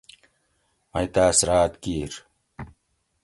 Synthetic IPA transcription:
mɐjt̪aːsɾaːt̪kiːɾ

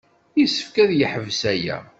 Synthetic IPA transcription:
isə̥fkæðjəħəvsæjæ̰

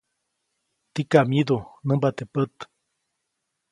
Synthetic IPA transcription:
t̪ikaʔmid̪unəmbat̪epət̪

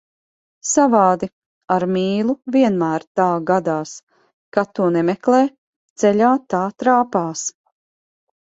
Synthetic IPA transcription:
savaːd̪i | aɾmiːlˠuviɛnmæːɾt̪aːɡad̪aːs | kat̪ːuɔnɛmɛklˠɛː | t̪sɛʎʲaːt̪aːt̪ɾaːpaːs

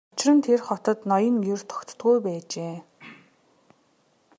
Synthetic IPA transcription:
ʊt͡ɕɪ̆rə̆nt̪ʰerχɔt̪ə̆t̪nɔjə̆ŋjɵr̥t̪ʰɔ̥kt̪ːɡujpæːt͡ɕeː

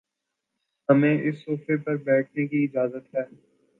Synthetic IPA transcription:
ɦɐmẽːʔɪsːoːfepɐɾbɛːʈʰnekiɪd͡ʒaːzət̪ɦɛː

